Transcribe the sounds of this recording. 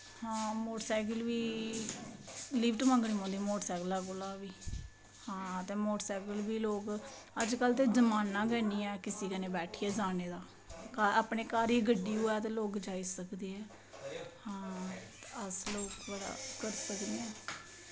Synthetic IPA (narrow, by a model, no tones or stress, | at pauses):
hãːmoːʈsaːkəlʋiː | lipʈmə̃ŋɡɽ̃iːɦãːnd̪imoːʈsɛːklaːkolãːʋiː | hãːt̪ẽːmoːʈsaːkəlʋiːloːk | əd͡ʒkəlt̪̬eːd͡ʒəmaːnːãːɡɛːniːɛːkɪsiːkəneːbɛːʈʰiːɛːd͡ʒaːneːd̪aː | kaːaːpɳeːkaːɾiːɡəɖːiːoːɛːt̪eːloːkd͡ʒaːisəkd̪iːɦɛː | hãː | əsloːkbəɽa̰ːkəɾsəkd̪eːɛː